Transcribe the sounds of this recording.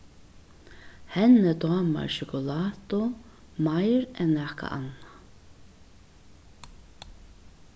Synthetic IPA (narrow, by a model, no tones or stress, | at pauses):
hɛnːəd̪ɑːma̰ɹʃʊkʊlaːt̪ʊ | majɾɛnnɛːka̰ʔana